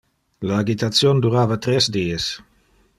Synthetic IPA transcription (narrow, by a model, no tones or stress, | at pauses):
laːɡit̪at̪sjond̪uɾaːvat̪ɾesd̪iːes